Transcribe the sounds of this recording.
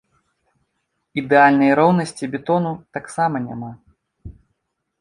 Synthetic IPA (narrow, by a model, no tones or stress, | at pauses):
id̪ɛalʲnɐjɾɔwnɐsʲt͡sʲibʲɛt̪ɔnut̪aksamɐnʲa̰ma